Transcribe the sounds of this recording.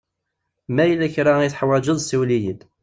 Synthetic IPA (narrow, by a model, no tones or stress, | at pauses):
mæjəlæçɾaiθħwæd͡ʒəðˤsiwlijəd̪